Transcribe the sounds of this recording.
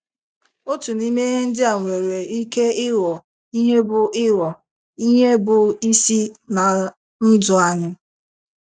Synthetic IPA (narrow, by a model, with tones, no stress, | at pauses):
o˦tu˨ni˦me˦ɦe˦n̩˦dɪ˦a˨ŋʷe˨ɾe˨i˦ke˦ɪ˦ɾɔ˨ | i˦ɦe˦bʊ˨ʔɪ˦ɾɔ˨ | i˦ɦe˦bʊ˨i˦si˦na˨ | n̩˦dʊ˨a˦ɲʊ˦